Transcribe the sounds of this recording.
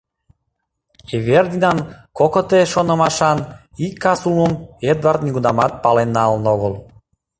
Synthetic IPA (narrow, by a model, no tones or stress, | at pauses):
everd̪inɑnkokot̪eʃonə̆mɑʃɑn | ikːɑsuməmed̪vart̪̚nʲiɣunɑmɑt̪̚pɑlenːɑlnoɣəlˠ